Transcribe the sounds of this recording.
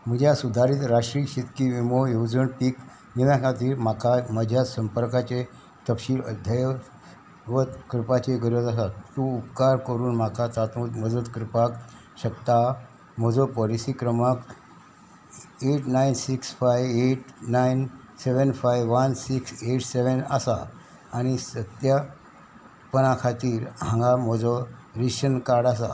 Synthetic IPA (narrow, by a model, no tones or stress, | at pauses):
m̤əd͡ʑjasud̪ʱaɾiːt̪ɾaʂʈɾiːɕit̪kiʋimojowd͡zəɳpiːk | niʋakat̪̬iːɾmakaməd͡ʑʱjasəmpəɾkat͡ɕe | t̪əpɕiːlə̰d̪ʱjaj | ʋət̪kɾipat͡ɕeɡʱəɾət̪asat̪t̪uupkaɾkəɾuːnmakat̪at̪ũt̪məd̪ət̪kɾipak | ɕəkt̪a | m̤əd͡zɔpəɾisikɾəmak | eʈnainsiksfajʋeʈnajn | seʋənfajʋʋansikseʈseʋənasa̰ː | ɽ̃isət̪ja | pənakʰat̪iːɾɦãŋɡam̤əd͡zɔɾiɕənkaɽasa̰